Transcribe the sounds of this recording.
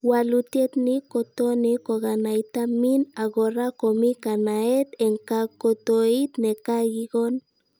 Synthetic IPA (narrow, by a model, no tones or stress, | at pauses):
walut̪jet̪nikot̪onikoɣanajt̪aminaɣoɾakomikanaet̪eŋkakot̪oit̪nekaɣiɣon